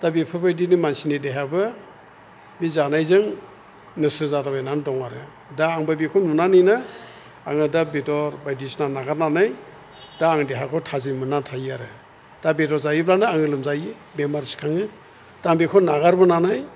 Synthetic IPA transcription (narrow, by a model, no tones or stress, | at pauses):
d̥abipʰɯbajdinimansinideɦabɯ | mizanajzɯŋ | nɯsɯzadabajnandɔŋaɾɯ | daːŋbɯbikʰɔnunanɯjna | aŋɯdabedɔɾbajdisnanaɡaɾnanaj | d̥aːŋdeɦakʰɔtʰazimɯnatʰajaɾɯ | d̥abedɔɾzajiblanaaŋɯlɯmzajɯ | bemaɾsi̥kʰaŋɯ | d̥aŋbikʰɔnaɡaɾbɯnanaj